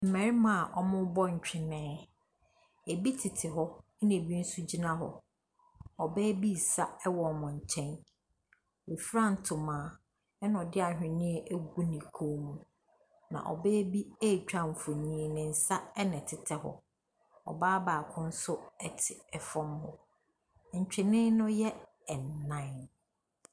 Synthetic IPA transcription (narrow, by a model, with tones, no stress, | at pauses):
m̩˨mɛ̃˨ɾɪ˦mã˨ʔɔ˨mʊ̃˦bɔ˦ɲ̩˨t͡ɕᶣɪ˨mɛ̃ː˦ | e˨bi˦tʰɪ˨tʰɪ˨ɦɔ˦ | nẽ˨bi˦n̩˦sʊ˦d͡ʑi˦nã˦ɦɔ̰˨ | ɔ˨bɛː˦bi˦˨sa˦ɛ˦wɔ˨mʊ̃˨ɲ̩˨t͡ɕʰɛ̃˦n | we˨fɾã˦˨n̩˨tʰʊ̃˨mãː˨ | ɛ˦nʊ̃˨ɔ˨dɪ˦a˨hᶣɪ̃˨nɪ̃˦ɛ˦ʔe˦ɡu˦nĩ˨kʰo˦mũ˦ | nã̰˨ʔɔ̰˨bɛː˦bi˦e˦˨t͡ɕᶣa˦˨m̩˨fʊ˨ɲĩ˦˨nɪ̃˨n̩˨sa˦ɛ˦nɛ̃˨tʰɪ˨tʰɛ˦hɔ̰˨ | ɔ̰˨baː˦baː˨kʰʊ̃˦n̩˦sʊ˦ɛ˦tʰɪ˨ɛ˨fɔ̃˦mhɔ˨ | ɲ̩˨t͡ɕᶣɪ˨nɪ̃˦nʊ̃˦jɛ˦ | ɛ˨nːã˦ɪ˨n